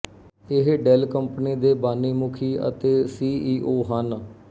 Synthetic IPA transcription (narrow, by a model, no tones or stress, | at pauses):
ɪɦɖɛːlkəmpniːd̪eːbaːnːiːmʊkʰiːə̰t̪eːsiːʔiːʔoːɦən